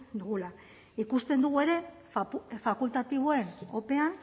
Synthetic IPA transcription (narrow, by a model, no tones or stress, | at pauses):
d̪uɣula | ikust̪e̞nd̪uɣ̞ue̞ɾe̞ | fakult̪at̪iβ̞o̞e̞no̞pe̞an